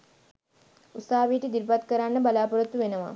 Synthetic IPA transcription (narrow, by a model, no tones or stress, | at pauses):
usaːʋiːʈid̪iɾpat̪kəɾanːəbalaːpuɾut̪ːuʋenəʋa̰